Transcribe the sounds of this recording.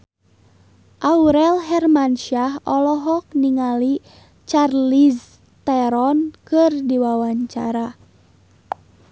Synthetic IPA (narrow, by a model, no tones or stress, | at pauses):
ʔauɾɛlɦɛrmanʃaɦɔlɔɦɔk̚niŋali | t͡ʃarlis | t̪ɛɾɔnkɨrdiwawaɲt͡ʃa̰ɾa